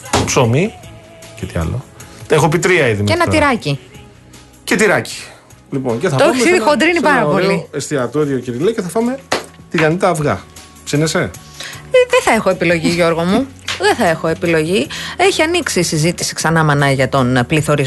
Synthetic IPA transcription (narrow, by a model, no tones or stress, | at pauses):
psomi | cet̪iɐ̰lot̪exopit̪ɾiɐiðimenɐt̪iɾɐci | ce̞t̪iɾɐci̥ | liponceθɐooçissiðikond̪ɾinipɐɾɐpo̞liest̪iɐt̪oɾiociɾileceθɐfɐme̞t̪iɣɐnit̪ɐːvɣɐ̰ | psinese | ðeθɐe̞xo̞e̞pilo̞ʝiʝo̞ɾɣo̞mu | ðeθɐe̞xo̞e̞pilo̞ʝie̞çiɐniksisizit̪isi̥ksɐnɐmɐnɐʝɐt̪o̞npliθo̞ɾiz